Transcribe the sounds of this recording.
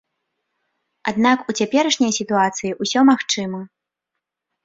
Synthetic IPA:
ad̪nakut͡sʲapʲɛɾɐʂnʲɐjsʲit̪uat̪sɨjiʔusʲɔmaxt͡ʂɨmɐ

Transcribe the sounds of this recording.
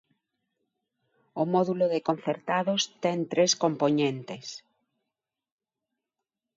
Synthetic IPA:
omɔðuloðekõn̟θeɾt̪aðost̪ɛnt̪ɾeskompoɲẽnt̪es

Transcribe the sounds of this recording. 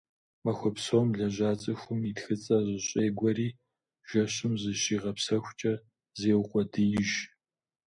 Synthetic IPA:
mɐxʷɔpsoːmɮɐʑʷaːt͡sʼɨxʷʊmitxɨt͡sʼɐʑɪɕʼeːɡʷɐriː | ʒ̥ɐɕɪmzɨɕiːʁɐpsɐxʷt͡ʃʼɐ | zeːwqʷʼɔdɨjɪʒ

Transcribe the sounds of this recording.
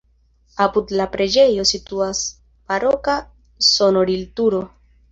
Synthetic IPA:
apudlapɾe̞d͡ʒe̞jo̞situas | paɾo̞ka | sono̞ɾiltuɾo̞

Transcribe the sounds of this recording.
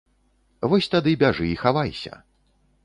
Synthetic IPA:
vɔsʲt̪ad̪ɨbʲaʐɨixavajsʲɐ̰

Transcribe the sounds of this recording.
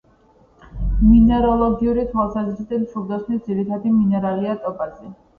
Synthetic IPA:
minɛɾɔlˠɔɡiuɾit̪ʰwalˠsazɾid̪ɛnsʰuɾd̪ɔsχnisd̪ziɾit̪ʰad̪iminɛɾaliat̪ʼɔpʼazɛ

